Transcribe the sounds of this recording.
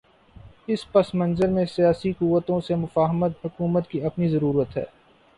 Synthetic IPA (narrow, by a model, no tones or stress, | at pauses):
ɪspɐsmɐ̃nzəɾmẽsijaːsikuːʋːət̪õsemʊfaːɦəmət̪ɦʊkuːmət̪kiɐpnizɐɾuːɾət̪ɦɛ̰ː